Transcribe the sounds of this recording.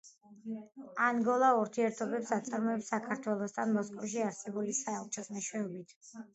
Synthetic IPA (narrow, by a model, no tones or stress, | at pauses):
aŋɡɔlˠauɾt̪ʰiɛɾt̪ʰɔbɛpsat̪sʼaɾmɔɛpsakʰaɾt̪ʰwɛlˠɔst̪ʰanmɔskʼɔfʃiaɾsɛbulisaɛlˠt͡ʃʰɛsmɛʃwɛɔbit̪ʰ